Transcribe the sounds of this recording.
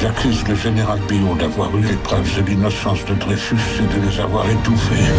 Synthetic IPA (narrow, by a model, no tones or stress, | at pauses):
lakʰʲyzd̪əʒeneʁalbiɔ̃d̪avwaʁylepχœvsəlinɔsɑ̃sd̪əd̪ʁefysed̪əleza̰vwa̰ʁet̪ufe